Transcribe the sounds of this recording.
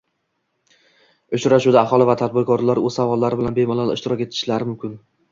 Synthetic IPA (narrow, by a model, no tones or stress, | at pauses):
ʊt͡ʃɾaʃud̪aːχɒlˠɪvat̪ʰad̪̚bɪɾkʰɒɾlaɾɵzsavɒlːaɾɪbɪlanbemɒlˠalɪ̰ʃt̪ɪɾɒkʲe̞t̪ʰɪ̥ʃlaɾɪmʊmkʲɪn